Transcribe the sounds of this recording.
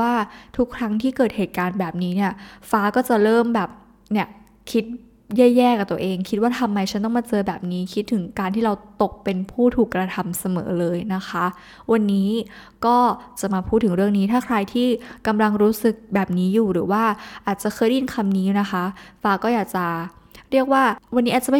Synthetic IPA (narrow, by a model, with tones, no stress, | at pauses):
aː˥˩t̪ʰu˦˥kʰɾa˦˥ŋt̪ʰiː˥˩kɤː˨˩t̪̚heː˨˩t̪̚kaː˧nbɛː˨˩p̚niː˦˥ni˥˩ɐfaː˦˥kɔː˥˩t͡ɕa˨˩ʔɾɤː˥˩mbɛː˨˩p̚ | ni˥˩ɐ | kʰi˦˥t̪̚ | jɛː˥˩jɛː˥˩kaː˨˩t̪u˧ʔeː˧ŋkʰi˦t̪̚waː˥˩t̪ʰa˧mːa˧jt͡ɕʰa˦˥nt̪ɔ˥˩maː˧t͡ɕɤː˧bɛː˨˩p̚niː˦˥kʰi˦˥t̪̚ʰːɯ˩˦ŋkaː˧nt̪ʰiː˥˩ɾa˧wt̪o˨˩k̚pe˧npʰuː˥˩t̪ʰuː˨˩kːɾa˧t̪ʰa˧msa˧mɤ̰ː˩˦lɤː˧jna˦˥xʰa˦˥ | wa˧nːiː˦˥ | kɔː˥˩t͡ɕa˨˩maː˧pʰuː˥˩t̪ʰːɯ˩˦ŋɾɯ˥˩əŋniː˦˥t̪ʰaː˥˩kʰɾa˧jt̪ʰiː˥˩ka˧mla˧ŋɾuː˦˥sɯ˨˩k̚bɛː˨˩p̚niː˦˥juː˨˩ɾɯː˩˦waː˥˩ʔaː˨˩t̪̚t͡ɕa˨˩kʰɤː˧˩jdi˧nkʰa˧mniː˦˥˨na˦˥xʰa˦˥faː˦˥kɔː˥˩jaː˨˩k̚t͡ɕa˨˩ɾi˥˩ək̚waː˥˩wa˧ni˦˥ʔaː˨˩t͡ɕa˨˩m˥˩